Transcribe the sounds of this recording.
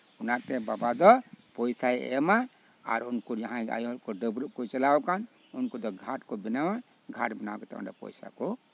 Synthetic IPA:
unat̪ebabad̪ɔpɔjsaḛma | a̰ɾunkod͡ʒəɦãa̰jɦlkoɖəbɾkot͡ʃəlawkan | unkod̪ɔɡʱaʈkobinawa | ɡʱaʈbənawket̪ɔ̰ṵnɾa̰pɔ̰jsa̰ko

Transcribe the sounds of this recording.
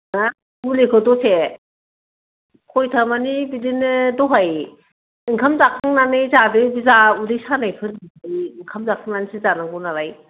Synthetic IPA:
na | ulekʰɔtɔsʰe | kʰɔjtʰamanibidinɯdɔɦaj | ɯŋkʰamzakʰaŋnanɯjzadɯbizaudɯjsanajpʰɯɾiajɯŋkʰamzakʰaŋnanisɯzanaŋɡɔnaɾaj

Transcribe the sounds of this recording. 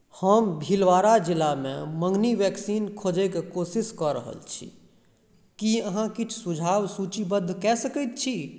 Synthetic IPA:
həmbʱilʋaːɾad͡ʒɪlamḛ̃mə̃ŋɡniʋɛːksiːnkʰoːd͡ʒekekoːsɪskəɾə̰ɦə̰lt͡ʃʰḭ | kiəɦãkɪt͡ʃʰsʊd͡ʒʱaːwsuːt͡ʃibəd̪ʱkɛːsəkət̪̚t͡ʃʰiː

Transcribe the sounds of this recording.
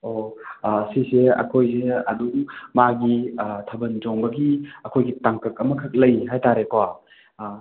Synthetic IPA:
o | siseɐ̰kʰojs̬eɐduŋmaɡitʰɐbɐnd͡ʒɔŋbɐɡiɐkʰojɡitaŋkɐk̚ɐmɐkʰək̚lɐjɦajtaɾekwa

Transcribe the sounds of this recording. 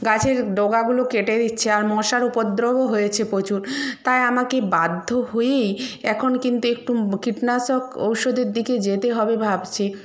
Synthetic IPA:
ɡat͡ɕʰeɾɖoɡaɡulokeʈed̪itːɕʰeaɾmɔʃaɾupod̪ɾoboɦojet͡ɕʰepot͡ɕuɾt̪ajamakebad̪ʱːoɦojejɛkʰonkint̪uek̚ʈukiʈnasoko̰wʃod̪eɾd̪iked͡ʑet̪eɦɔbebʱabt͡ɕʰe

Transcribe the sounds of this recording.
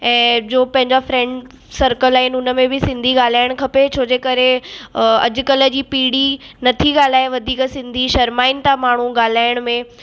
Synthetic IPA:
ɛ̃ːd͡ʑoːpɐ̃ɦɪ̃ɲd͡ʑafɾɛ̃ːɳɖ | sɐɾkəlaːɦɪnɪʊnə̆mẽbɪsɪ̃nd̪ʱiɠaːl̤aːɪɽ̃kʰɐpet͡ɕʰoːd͡ʑekɐɾe | ɐ̰d͡ʑʊ̆kɐlə̆d͡ʑiːpiːɽinɐt̪ʰiɠaːl̤aːeʋɐd̪ʱiːksɪ̃nd̪ʱiʃɐɾmaːɪnɪt̪amaːɳ̤uɠaːl̤aːɪɽ̃mẽ

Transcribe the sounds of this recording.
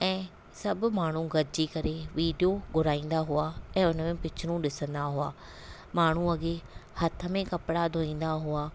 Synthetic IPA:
ɛ̃ː | sɐbmaːɳ̤ũɡɐɾd͡ʒikɐɾeʋiːɖijoɡʱʊɾaːĩːn̆d̪aɦʊaːɛ̃ːʊnəmẽpɪt͡ʃʰɽũɗɪsə̃nd̪aɦʊaː | maːɳ̤ũɐɡehɐt̪ʰə̆mẽkɐpɪɽad̪ʱoːĩːn̆d̪aɦʊaː

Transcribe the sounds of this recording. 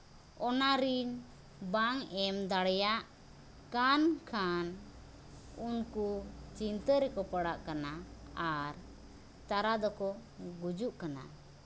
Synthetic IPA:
ɔnaɾiɲ | baŋɛmd̪aɽɛjaʔ | kankʰan | unkut͡ʃint̪əɾɛkɔpəɽaʔkanaaɾ | t̪aɾad̪ɔkɔɡud͡ʒuʔkana̰

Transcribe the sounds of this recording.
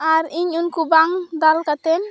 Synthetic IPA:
aɾiɲunkubaŋd̪alkat̪ɛn

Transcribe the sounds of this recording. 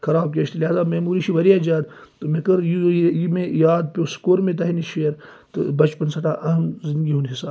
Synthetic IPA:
xɐɾaːbkeːʃt̪iliɦaːzaːmɐːmuːɾiʃiʋɐɾijaːd͡ʒaːd̪t̪omekɐɾjijimẽjaːd̪̚pʲoːskoːɾmẽt̪̬ɐɦiniʃeːɾ | t̪ɨ̰bɐt͡ʃpɐnsɐt̪aːʔɐɦɐmzɪ̃nd̪ɡiɦunɦisaː

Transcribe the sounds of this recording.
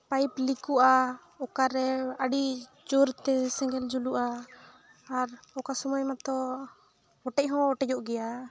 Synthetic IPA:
pajplikuʔa | ɔkaɾɛəɖi | d͡ʒoɾt̪ɛsɛ̃ŋɡɛld͡ʒuluʔaː | ɾɔkasɔmajmat̪ɔ | ɔʈɛc̚ˀɦɔ̃ɔʈɛd͡ʒɔʔɡɛja

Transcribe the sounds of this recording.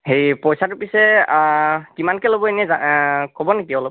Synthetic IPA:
hejpojsatʊpisɛ | kimankɛlobɔenɛzakobɔnekiɔlɔp̚

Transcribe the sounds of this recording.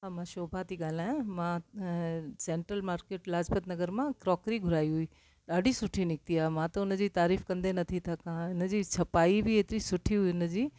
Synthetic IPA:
ɦãmãʃoːbʱat̪iɠaːl̤aːjãmã | sẽːɳʈɾəlmaːɾkeːʈlaːd͡ʑbət̪nɐɡəɾmãkɾɔːkɾiɡʱʊɾaːiɦuiː | ɗaːɖʱisʊʈʰinɪk̚t̪iaːmãt̪ɐʊnəd͡ʑiːt̪aːɾiːfkɐ̃nd̪enɐt̪ʰit̪ʰɐkãɦɪnə̆d͡ʑiːt͡ɕʰɐpaːibɪeːt̪ɪɾisʊʈʰiɦuiʊnəd͡ʑiː

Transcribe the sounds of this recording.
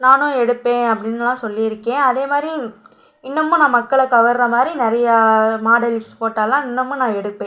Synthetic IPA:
naːnʊ̃ɛɽɯpːẽːɐpːɐɽɪnːɯlãːsɔlːɪɪɾɯkːẽːɐðeːmaːd̪ɾi | ɪnːɐmːʊ̃nãːmɐkːɐɭɐkɐʋɐɾɾɐmaːd̪ɾinɪɾɐjɐmaːɽɐlspoːʈːaːlːãːɪnːɐmːʊ̃nãːɛɽɯpːẽ

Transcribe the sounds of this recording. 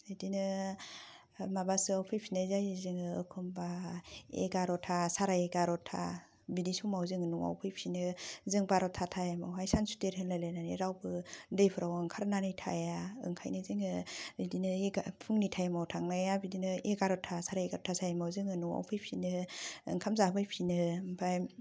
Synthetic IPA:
ɯdinɯ | mabasɯawpʰɯjpʰinɯzajezɯŋɯɯ̰kʰɯmbaḛɡaɾɔtʰasaɾajeɡaɾɔtʰa̰ | bidisumawzɯŋɯnuwa̰wpʰɯjpʰinɯzɯŋbaɾɔtʰatʰajamawɦajsansu̥teɾhɯnlajlajnaneɾawbɯdɯjpʰɯɾawɯŋkʰaɾnanijtʰa̰jaɯ̰ŋkʰa̰jnɯzɯŋɯbidinɯeɡapʰuŋnitʰajamawtʰaŋnajabidinɯeɡaɾɔtʰasaɾajeɡaɾɔtʰasajamawzɯŋɯnuwa̰wpʰɯjpʰinɯɯ̰ŋkʰamzabɯjpʰinɯbʰaj

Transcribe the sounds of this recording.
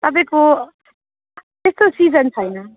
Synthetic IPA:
t̪ʌp̬ãĩko | t̪est̪osid͡zʌnt͡sʰʌjnʌ

